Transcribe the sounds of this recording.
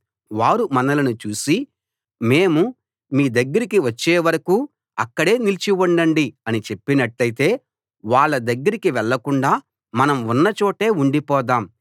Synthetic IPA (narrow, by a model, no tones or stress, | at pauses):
ʋaːɾumɐnɐlɐnut͡ʃuːsi | me̞ːmu | miːd̪ɐɡːɐɾikiʋɐt͡ʃːeːʋɐɾɐkuː | ɐkːɐɽe̞ːnilt͡ʃiʋuɳɖɐɳɖiɐnit͡ʃe̞pːinɐʈlɐjit̪e̞ː | ʋaːɭːɐd̪ɐɡːɐɾikiʋɛɭːɐkuɳɖaː | mɐnɐmunːɐt͡ʃoːʈe̞ːuɳɖipɔːd̪aːm